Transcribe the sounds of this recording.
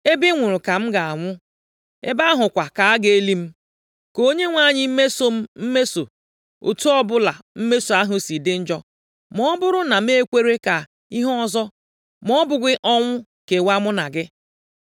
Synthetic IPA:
e˦bi˦ŋʷʊ˨ɾʊ˨ka˨m̩˦ɡa˨a˨ŋʷʊ˦ | e˦ba˦ɦʊ˨kʷa˨ka˨a˦ɡe˨e˦li˦m̩˦ | ko˦ɲe˦ŋʷa˦˨ɲɪ˦m̩˦me˦so˦m̩˦m̩˦me˦so˨ | o̰˨tu˦ɔ˦bʊ˦la˨m̩˦me˦so˨a˦ɦʊ˦si˨dɪ˦n̩˦d͡ʒɔ˦ | mɔ˦bʊ˦ɾʊ˦na˨m˦e˦kʷe˦ɾe˦ka˨ | i˦ɦɔ˦ɔ˦˨zɔ˦ | mɔ˦bʊ˨ɡɪ˦ʔɔ˦ŋʷʊ˦ | ke˨wa˦mʊ˦na˨ɡɪ˦

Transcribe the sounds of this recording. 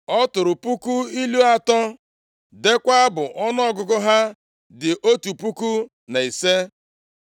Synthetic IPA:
ɔ˦tʊ˨ɾʊ˨pu˦ku˦i˦lu˦a˦tɔ˦ | de˦kʷa˦a˦bʊ˨ʔɔ˦n˦ɔ˦ɡʊ˨ɡʊ˦ɦa˦ | dɪ˨ʔo˦tu˨pu˦ku˦ | na˨i˨se˦

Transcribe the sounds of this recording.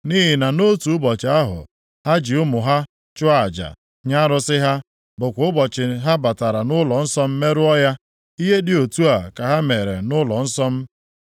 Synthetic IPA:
ni˦ɦɪ˨na˨no˦tu˨ʊ˦bɔ˨t͡ʃɪ˨a˦ɦʊ̰˨ | ha˦d͡ʒi˨ʊ˦mʊ˨ɦa˦ | t͡ʃʊ˦a˨d͡ʒa̰˨ | ɲa˦ɾʊ˦sɪ˦ɦa˦ | bʊ˨kʷʊ˨˦ʊ˦bɔ˨t͡ʃɪ˨ɦa˦ba˨ta˨ɾa˨nʊ˦lɔ˨n̩˦sɔ˦m̩˦me˦ɾʊ˦ɔ˦ja˦ | i˦ɦe˦dɪ˨o˨tu˦a˨ka˨ɦa˦me˨ɾe˨nʊ˦lɔ˨n̩˦sɔ˦m̩˦

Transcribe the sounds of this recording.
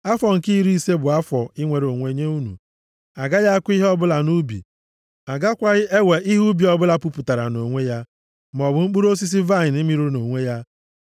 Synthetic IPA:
a˦fɔ˨ŋ̩˨ki˦ɾi˦˨se˦bʊ˨a˦fɔ˨i˦ŋʷe˨ɾo˨ŋʷe˨˦ɲe˦u˦nṵ˨ | a˨ɡa˦ja˦a˦kʷi˦ɦɔ˦bʊ˦la˨nu˦bḭ˨ | a˨ɡa˦kʷa˦ʔe˦we˨ʔi˦ɦu˦bi˨ɔ˦bʊ˦la˦pu˦pʊ˨ta˨ɾa̰˨no˨ŋʷe˦ja˦ | m˨ɔ˨bʊ˨ŋ͡m̩˦k͡pu˦ɾo˦s̬i˦s̬i˦va˦˨ni˦mi˨ɾu˦no˨ŋʷe˦ja˦

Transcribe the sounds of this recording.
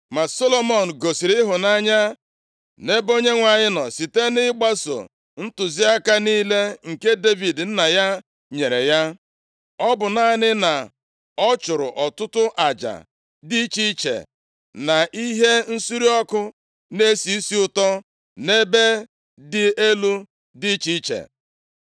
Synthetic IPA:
ma˨so˦lo˦mo˨n̩˨ɡo˨si˨ɾɪ˦ɦʊ˨na˦ɲa˦ | ne˦bo˦ɲe˦ŋʷa˨ɲɪ˦nɔ˨si˨te˦nɪ˦ɡ͡ba˦so̰˨ | n̩˦tʊ˨zi˦a˦ka˦niː˦le˦ŋ̩˨ke˦de˦vi˨dn̩˦na˨ja˦ | ɲe˨ɾe˨ja˦ | ɔ˦bʊ˨na˦nɪ˦na˨ | ɔ˦t͡ʃʊ˨ɾʊ̰˨ʔɔ˨tʊ˦tʊ˦ʔa˨d͡ʒa̰˨ | dɪ˦t͡ʃi˦t͡ʃḛ˨ | na˨ʔi˦ɦe˦n̩˦su˦ɾi˦ɔ˦kʊ˦ | ne˦si˨i˦si˦ʊ˦tɔ˦ | ne˦be˦ | dɪ˨e˦lu˦ | di˦t͡ʃi˦t͡ʃḛ˨

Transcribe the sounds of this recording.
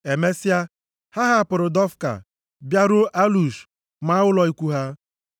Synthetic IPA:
e˨me˦sɪ˦a˦ | ha˦ɦa˦˨pʊ˨ɾʊ˨dɔ˦fka̰˨ | bja˦ɾʊ˦ʔa˦lu˨ʃ | ma˨a˦wʊ˦lɔ˨i˦kʷu˦ɦa˦

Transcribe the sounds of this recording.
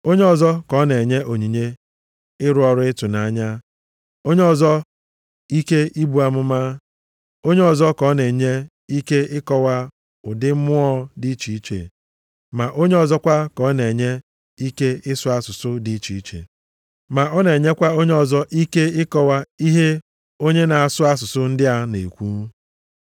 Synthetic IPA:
o˦ɲe˦ɔ˨zɔ˦kɔ˨˦ne˨ɲe˦ʔo˨ɲi˨ɲe˦ | ɪ˦ɾʊ˦ɔ˨ɾʊ˦ɪ˦tʊ˨na˨ɲa˦ | o˦ɲe˦ɔ˨zɔ˦ | i˦ke˦i˦bu˨a˦mʊ˦ma˦ | o˦ɲe˦ɔ˨zɔ˦kɔ˦ne˨ɲe˦ | i˦ke˦ɪ˦kɔ˦wa˦ | ʊ˨dɪ˦mʊ˦ɔ˦di˦t͡ʃi˨i˦t͡ʃḛ˨ | ma˨ʔo˦ɲe˦ɔ˨zɔ˦kʷa˦kɔ˨˦ne˨ɲe˦ | i˦ke˦ɪ˦sʊ˦a˦sʊ˨sʊ˦di˦t͡ʃi˨i˦t͡ʃḛ˨ | ma˨ɔ˦ne˨ɲe˦kʷa˦o˦ɲe˦ɔ˨zɔ˦ʔi˦ke˦ɪ˦kɔ˦wa˦i˦ɦe˦ | o˦ɲe˦na˨a˨sʊ˦a˦sʊ˨sʊ˦n̩˦dɪ˦a˦nḛ˨kʷu˦

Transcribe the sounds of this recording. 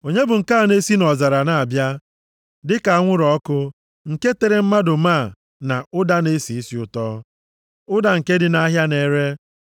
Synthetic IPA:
o˨ɲe˦bʊ˨ŋ̩˨ka˦a˨ne˦si˦nɔ˨za˨ɾa˨na˨a˨bja˦ | dɪ˦ka˨a˦ŋʷʊ˦ɾɔ˦kʊ˦ | ŋ̩˨ke˦te˨ɾe˨m̩˦ma˦dʊ˨ma˦˨ | na˨ʊ˦da˦ne˦si˨i˦si˨ʊ˨tɔ˦ | ʊ˦da˨ŋ̩˨ke˦dɪ˦na˦ɦja˦ne˨˦ɾe˦

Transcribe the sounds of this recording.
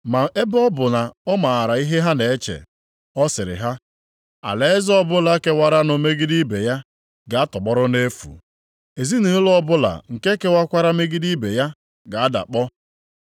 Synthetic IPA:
ma˨e˦bɔ˦bʊ˨na˨ɔ˦ma˨a˨ɾa˨i˦ɦe˦ɦa˦ne˨e˦t͡ʃḛ˨ | ɔ˦sɪ˨ɾɪ̰˨ɦa˦ | a̰˨le˨˦e˦zɔ˦bʊ˦la˨˦ke˦wa˦ɾa˦nʊ˨me˦ɡi˦di˦be˨ja˦ | ɡa˨a˦tɔ˨ɡ͡bɔ˦ɾʊ˦ne˦fṵ˨ | e˨zi˦ni˨ɦʊ˦lɔ˦bʊ˦la̰˨ŋ̩˨ke˦ke˦wa˦kʷa˦ɾa˦me˦ɡi˦di˦be˨ja˦ | ɡa˨a˦da̰˨k͡pɔ˦

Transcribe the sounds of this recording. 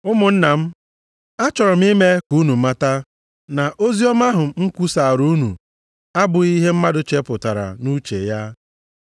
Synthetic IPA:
ʊ˦mʊ˨n̩˦na˨m̩˦ | a˦t͡ʃɔ˨ɾɔ˨m̩˦i˦me˦ku˦nu˨˦a˦ta˦ | na˨ʔo˦zi˦ɔ˦ma˦ɦʊ˨m̩˦kʷu˦sa˨ɾu˦nṵ˨ | a˦bʊ˨i˦ɦe˦m̩˦ma˦dʊ˨t͡ʃe˦pʊ˨ta˨ɾa̰˨nu˦t͡ʃḛ˨ja˦

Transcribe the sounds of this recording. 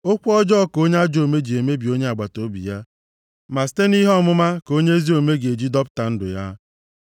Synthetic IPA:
o˦kʷɔ˦d͡ʒɔ˦ko˦ɲe˦a˦d͡ʒo˨me˦d͡ʒi˨e˨me˦bi˨o˦ɲe˦a˨ɡ͡ba˨to˦bḭ˨ja˦ | ma˨s̬i̥˨˦te˦ni˦ɦɔ˦mʊ˦ma˦ko˦ɲe˦zi˦o˨me˦ɡe˨d͡ʒi˦dɔ˦pta˨n̩˦dʊ̰˨ja˦

